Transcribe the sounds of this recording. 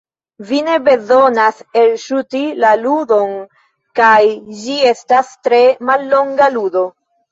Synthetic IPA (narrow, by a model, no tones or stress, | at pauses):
vine̞be̞zo̞nase̞lʃutilaludo̞n | kajd͡ʒie̞stastɾe̞malːo̞ŋɡaludo̞